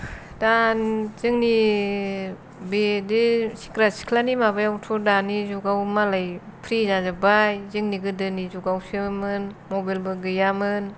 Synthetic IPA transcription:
danzɯŋni | bedesi̥kɾasi̥kʰlanimabajawtʰɔdanizuɡawmalajpʰɾizazabajzɯŋniɡɯdɯnizuɡawsɯmɯnmɔbalbɯɡɯjamɯn

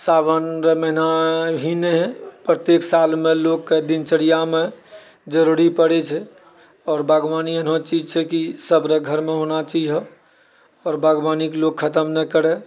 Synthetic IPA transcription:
sabənɾeməɦinabʱinɛɦpɾət̪jeksalmelokːed̪int͡ʃəɽijame | d͡ʒəɾuɾipəɽɛt͡ʃʰɛ | ɔːɾbʱaɡʋaniənɦõt͡ʃid͡ʒt͡ʃʰɛkisəbɾeɡʱəɾmeɦonat͡ʃiiɦɔ | ɔːɾbʱaɡʋaniklokʰːət̪əmnɛkəɾɛ

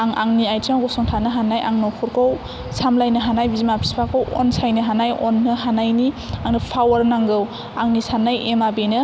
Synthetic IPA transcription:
aŋa̰ŋniajtʰaŋɡɔsɔŋtʰanɯɦanajʔa̰ŋnɔkʰuɾkʰow | samlajnɯɦanajbizimapʰi̥spʰakʰɯwɔ̰nsajnɯɦanajɔnːɯɦanajni | aŋnɯpʰawaɾnaŋɡɯw | aŋnisanajemabenɯ

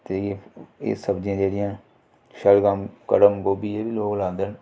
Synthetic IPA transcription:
t̪eːḛːsəbd͡ʒãːd͡ʒeːɽɪjãː | ʃəlɡamkəɽəmɡoːbiːeːbiːloːklãːnd̪ən

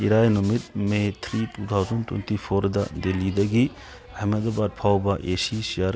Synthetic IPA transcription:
iɾajnumit̚met̪ʰɾitut̪ʰawzɐntwḛntipʰoɾdɐ̰delidɐɡi | ɐhmedɐbat̚pʰawbɐʔesisijaɾ

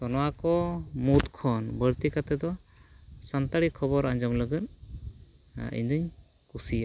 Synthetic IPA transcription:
t̪ɔnɔwakɔmut̪kʰɔnbəɾt̪ikat̪ɛd̪ɔ | sant̪aɽikʰɔbɔɾaɲd͡ʒɔmləɡət̪ | ḭɲd̪uɲ | kusia

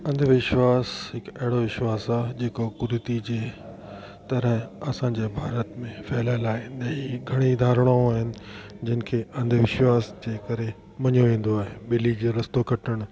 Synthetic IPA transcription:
ɐ̃nd̪ʱʋɪʃʋaːsɦɪkɐɦɪɽoʋɪʃwaːsaːd͡ʑeːkokʊɾɪt̪id͡ʑeː | t̪ɐɾəɦɐsãɲd͡ʑeːbʱaːɾət̪mẽfɛːlaːɪlaːɦɪ̃nd̪ɐ̃iɡʱɐɽ̃id̪ʱaːɾəɽ̃aõaːɦɪnɪ̆d͡ʑɐnɪ̆kʰeːɐ̃nd̪ʱʋɪʃʋaːsd͡ʑeːkɐɾe | mɐɲoʋẽːn̆d̪oaːɦeɓɪlid͡ʑeːɾɐst̪okʰɐʈəɽ̃

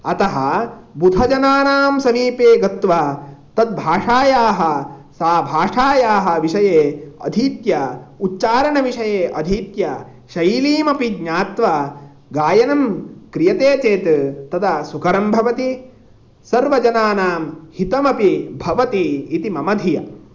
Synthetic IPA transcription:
ɐt̪ɐɦɐbud̪ʱɐd͡ʒɐnaːnaːmsɐmiːpeːɡɐt̪ʋat̪ɐd̪̚bʱaːʂaːjaːɦɐ̆saːbʱaːʂaːjaːɦɐ̆ʋiʂɐjeːɐ̰d̪ʱit̪jɐutːʃaːɾɐɳɐʋiʂɐjeːʔɐd̪ʱiːt̪jɐ | ʃɐjliːmɐpiɡɲaːt̪ʋɐ | ɡaːjɐnɐmkɾijɐt̪eːt͡ʃeːt̪t̪ɐt̪ʰɐsukʰɐɾɐmbʱɐʋɐt̪i | sɐɾʋɐd͡ʒɐnaːnaːmhit̪ɐmɐpibʱɐʋɐt̪iːt̪imɐmɐd̪ʱijɐ

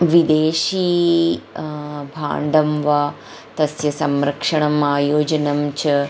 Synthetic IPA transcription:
ʋid̪eːʃiː | bʱa̰ːɳɖʱɐmʋɐ | t̪ɐsjɐsɐmɾɐkʂɐɳɐmaːjoːd͡ʒɐnɐmt͡ʃɐ

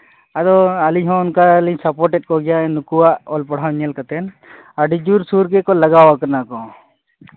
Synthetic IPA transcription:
ad̪ɔaliɦɔ̃nkalisapɔɾʈɛt̚kɔɡɛjaɛnukuwaʔɔlpɔɽ̤ɦawɲɛlkat̪ɛn | aɖid͡ʒuɾsuɾɡɛkɔlaɡawakəɾnakɔ

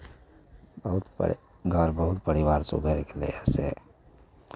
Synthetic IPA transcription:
bəɦut̪p | ɡʱəɾbəɦut̪pəɾiwaːɾsṵd̪ʱəɾekelḛesḛ

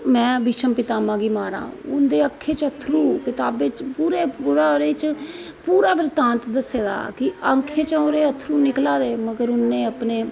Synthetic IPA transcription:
mɛ̃ːbɪʃəmpɪt̪aːmãːɡiːmaːɾã̰ːʊ̰nd̪eːəkʰːeːt͡ʃət̪ʰɾuːkɪt̪aːbeːt͡ʃpuːɾeːuɾaːɾeːt͡ʃ | puːɾaːʋəɾt̪ãːnt̪d̪əsːeːd̪a̰ːkɪəŋkʰeːt͡ʃəoɾeːət̪ʰːɾuːnɪklaːd̪eːməɡəɾʊnːẽːəpneː

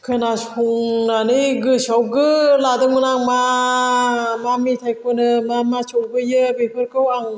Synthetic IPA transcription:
kʰɯnasuŋnaniɡɯsɔwɡɯladɯmɯnaŋma | mamit̪ʰajkʰonɯmamat͡ʃɔbɯjɯbepʰɯɾkɯwaŋ

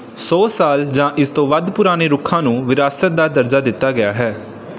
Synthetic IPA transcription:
sɔːsaːld͡ʒãːʔɪst̪õːʋəd̪pʊɾaːñeːɾʊkʰːãːnũːʋɪɾaːsət̪̚d̪aːd̪əɾd͡ʒaːd̪ɪt̪ːaːɡɪjaːɦɛː

